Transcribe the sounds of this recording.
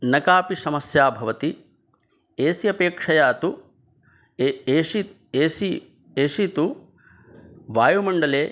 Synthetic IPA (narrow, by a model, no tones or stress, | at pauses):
nɐkaːpisɐmɐsjaːbʱɐʋɐt̪i | eːsiɐpeːkʂɐjaːt̪u | eːʃi | eːsi | eːʃit̪u | ʋaːjumɐɳɖɐleː